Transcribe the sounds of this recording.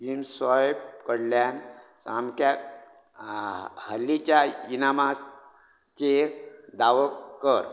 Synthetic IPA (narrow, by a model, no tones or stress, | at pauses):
insɔjbkəɽljansamkja | həlːit͡ɕjainamas | t͡ɕeɾd̪aʋəkəɾ